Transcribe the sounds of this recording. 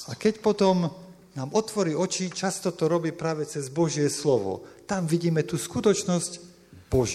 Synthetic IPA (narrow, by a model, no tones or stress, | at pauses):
akɛcpɔt̪ɔm | naːmɔt̪ʋɔɾiːɔt͡ʃit͡ʃast̪ɔt̪ɔɾɔbiːpɾaːʋɛt͡sɛzbɔʒɪɛslɔʋɔ̰t̪amʋiɟiːmɛt̪uskut̪ɔt͡ʃnɔsc | b̥ɔʒ